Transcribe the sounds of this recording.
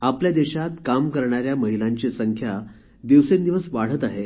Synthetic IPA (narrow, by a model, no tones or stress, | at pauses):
apljad̪eɕat̪kamkəɾɳ̃aɾjaməɦilaɲt͡ɕesəŋkʰja | d̪iʋsend̪iʋəsʋaɽ̤ət̪aɦe